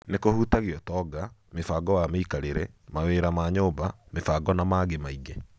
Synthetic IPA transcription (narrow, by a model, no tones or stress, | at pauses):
nekohutaɣeɔtɔɡamefaːɡɔwameikaɾeɾɛmaweːɾamaːɲoːba | mefaɡɔnamaːɣemaiɡe